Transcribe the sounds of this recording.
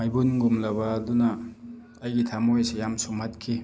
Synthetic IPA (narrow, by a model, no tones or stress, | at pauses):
majbunɡumlabadunaː | jɡitʰamojsejamsumat̚kʰi